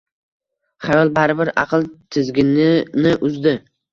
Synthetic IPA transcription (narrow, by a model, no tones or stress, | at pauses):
χajɒlˠbaɾɪbɪɾɑ̰qʰɨlˠt̪ʰɪzɡʲɪnɪnɪʔʊzd̪ɪ